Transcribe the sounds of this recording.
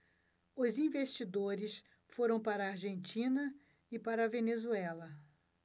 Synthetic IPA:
ʊzĩvest͡ʃid̪oɾɪs | foɾɐ̃w̃paɾɐːɾʒẽnt͡ʃĩnɐ | ɪpaɾɐvenezuɛlɐ

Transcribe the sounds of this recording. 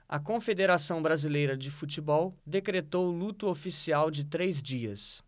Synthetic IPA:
ɐ̰kõfed̪eɾasɐ̃w̃bɾazilejɾɐd͡ʒɪfut͡ʃibɔwd̪ekɾet̪owʊlut̪ʊofisiawd͡ʒɪt̪ɾezd͡ʒiɐs

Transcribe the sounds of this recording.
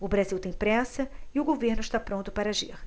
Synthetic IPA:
ʊbɾaziwt̪ẽj̃pɾɛsɐɪʊɡoveɾnʊɪʃt̪apɾõnt̪ʊpaɾɐaʒiχ

